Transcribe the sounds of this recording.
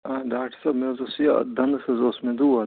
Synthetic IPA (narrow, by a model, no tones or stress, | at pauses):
aɖaːk̚ʈʰəsɐbmezosija̰d̪ɐnd̪sɐzosmẽd̪uːɐ